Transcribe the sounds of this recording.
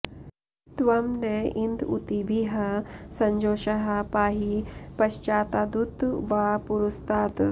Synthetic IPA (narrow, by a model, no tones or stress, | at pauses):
t̪ʋɐmneind̪ṵt̪ibiɦɐsɐɲd͡ʒoːʃɐɦɐpaːɦipɐʃt͡ʃaːt̪aːd̪ut̪bapuɾust̪aːt̪